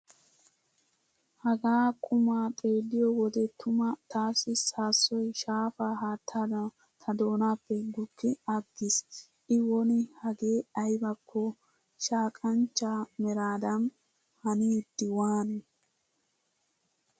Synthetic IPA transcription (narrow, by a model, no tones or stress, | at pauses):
hɐɡaːkʼʊmaːt̪ʼe̞ːlːɪjɔwɔd̪ɛt̪ʊmɐt̪ʰaːsːɪsaːsːɔjʃaːfaɦaːt̪ʰːaːd̪ɐ | t̪ʰɐd̪o̞ːnaːpːɛɡʊkːɪɐɡːɪs | ʔɪwɔnɪhɐɡeːɐjbɐkʰːɔ | ʃaːkʼɐnt͡ʃːaːmɛɾaːd̪ɐn | hɐnid̪ːɪwaːnɛ